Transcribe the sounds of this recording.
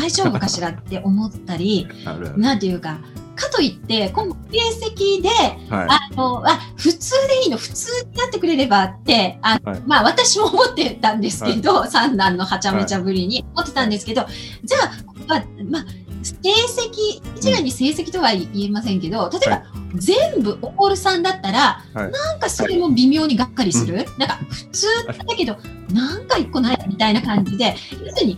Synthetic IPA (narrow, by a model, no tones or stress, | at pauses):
d̪aiʑo̞ːbɯ̟kaɕiɾat̪ːe̞ʔo̞mo̞t̪ːaɾʲi | nãnt̪ejɯ̟ːkakat̪o̞it̪ːe̞kõ̞mse̞ːse̞kʲid̪e̞ano̞aɸɯ̟t͡sɨːd̪e̞iːno̞ɸɯ̟̥t͡sɨːɲinat̪ːe̞kɯ̟ɾe̞ɾe̞bat̪ːe̞anomaβat̪aɕimo̞ːmo̞t̪ːe̞t̪ãnd̪e̞sɨ̥ke̞d̪o̞sãnd̪ãnːo̞hat͡ɕame̞t͡ɕabɯ̟ɾʲiɲ̟io̞mo̞t̪ːe̞t̪ãnd̪e̞sɨ̥ke̞d̪o̞d͡ʑaːko̥oamase̞ːse̞kʲiit͡ɕiɡaiɲ̟ise̞ːse̞kʲi̥t̪o̞βaiie̞masẽ̞ŋke̞d̪o̞t̪at̪o̞ebazẽ̞mbɯ̟ʔoko̞ɾɯ̟sãnd̪at̪ːaɾa | nãŋkaso̞ɾe̞mo̞bʲimʲjo̞ːɲ̟iɡakːaɾʲisɨɾɯ̟nãŋkaɸɯ̟̥t͡sɨːnad̪ake̞d̪o̞nãŋkaikːo̞naid̪amʲit̪ainakãɲ̟d͡ʑid̪e̞josɨɲ̟i